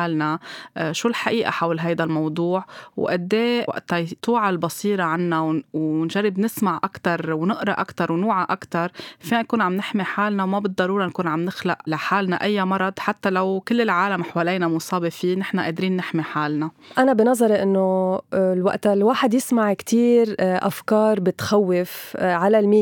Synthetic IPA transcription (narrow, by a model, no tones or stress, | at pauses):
aːlnaʃuːlħaʔiːʔa̰ħawlɦajd̪almɑwd̪ˤuːʕwʔad̪ːeːwa̰ʔt̪at̪ˤuːʕalbɑsiːɾɑʕanːawwnʒarːɪbnɪsmaʕʔakt̪ɑɾˤwnɪʔɾˤɑʔakt̪ɑɾˤwnuːʕaʔakt̪ɑɾˤfinankuːnʕamnɪħmiħaːlnawmabɪt̪d̪ɑɾˤuːɾankuːnʕamnɪxlaʔlaħaːlnaʔajːamɑɾˤɑd̪ˤħat̪ːalawkɪlːɪlʕaːlamħawaːleːnamʊsˤɑːbefiːnɪħnaʔeːd̪ɾiːnːɪħmiħaːlnaʔanabɪnɑzˤɑɾˤeʔɪnːolwa̰ʔt̪lwaːħɪd̪jɪsmaʕkt̪ʰiːɾʔafkɑːɾˤbɪt̪xawːɪfʕalalmiː